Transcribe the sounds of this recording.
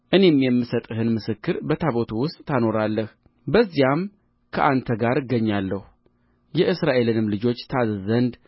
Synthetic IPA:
ʔɨne̞mjɛmːɨsət̪ʼɨhɨnmɨsɨkːɨɾbət̪ʰaβo̞t̪ʰuwʊst̪ʼt̪ʰːano̞ɾalːəh | bəzːijam | kʰəʔant̪ʰəɡaɾɨɡːəɲːalːəhu | jɛʔɨsɾaʔe̞lɨnɨmlɨd͡ʒo̞t͡ʃːt̪ʰazzənd̪

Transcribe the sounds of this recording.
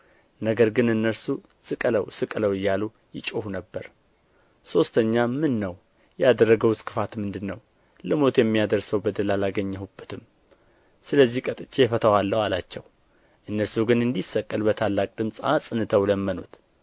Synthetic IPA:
nəɡəɾɡɨnɨnːəɾsu | sɨkʼələ̰wsɨkʼələwɨjːalu | jɪt͡ʃʼohunəbːəɾ | so̞st̪ʰəɲːamɨnːəw | jɛad̪ərːəɡəwskʰʼɨfat̪mɨnd̪ɨnːəw | ləmo̞t̪jɛmːijad̪əɾsəwbəd̪əlalaɡəɲːɛhubːət̪ʰɨm | sɨləzːihkʼət̪ʼɨt͡ʃʼːefət̪ʰəwalːəhalat͡ʃːɛw | ʔɨnːəɾsuɡɨnɨnd̪isːəkʼːəlbət̪ʰalːakʼd̪ɨmsʼa̰sʼɨnɨt̪ʰəwləmːəno̰t̪

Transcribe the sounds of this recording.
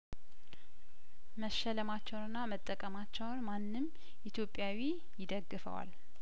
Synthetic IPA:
məʃːələmat͡ʃːɛwnɨnːamət̪ʼːəkʼəmat͡ʃːɛwnmanːɨm | ʔit̪ʰjo̞pʼːjawi | jɪd̪əɡːɨfə̰wa̰l

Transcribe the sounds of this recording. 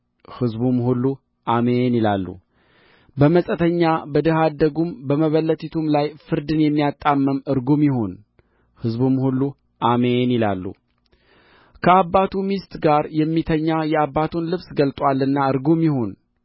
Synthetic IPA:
hɨzbumhulːu | ʔamenila̰lːṵ | bəməsʼət̪ʰəɲːabəd̪əhad̪ːəɡumbəməβəlːət̪ʰit̪ʰumlajfɨɾd̪ɨnjɛmːijat̪ʼːamːəmɨɾɡumjɪho̞n | hɨzbumhulːu | ʔamenila̰lːṵ | kʰəabːat̪ʰumist̪ɡaɾjɛmːit̪ʰəɲːajɛabːat̪ʰunlɨβsɡəlt̪ʼwalːɨnːaɨɾɡumjɪho̞n

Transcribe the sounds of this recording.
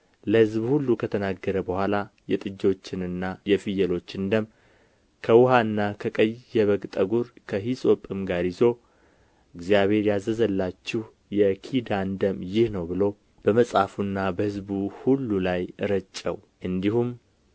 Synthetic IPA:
ləhɨzbhulːukʰət̪ʰənaɡːəɾəbəhʷalajɛt̪ʼɨd͡ʒːo̞t͡ʃːɪnɨnːajɛfijəlo̞t͡ʃːɨnd̪əm | kʰəwʊɦaɨnːakʰəkʼəjːɛβəɡt̪ʼəɡuɾkʰəɦisʼo̞pʼɨmɡaɾizo̞ | ʔɨɡzijaβe̞ɾjazːəzəlːat͡ʃːɪh | jɛkʰid̪and̪əmjɪhnəwbɨlo̞ | b̥əməsʼafunːabəhɨzbuhulːulajɨɾət͡ʃʼːə̰w | ʔɨnd̪ihum

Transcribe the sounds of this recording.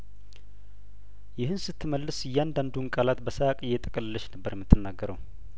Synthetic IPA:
jɪhɨnsɨt̪ːɨməlːɨsɨjːand̪and̪unkʼalat̪bəsəakʼɨjːɛt̪ʼəkʼəlɨlːəʃnəbːəɾjɛmːɨt̪ʰːɨnːaɡːəɾəw

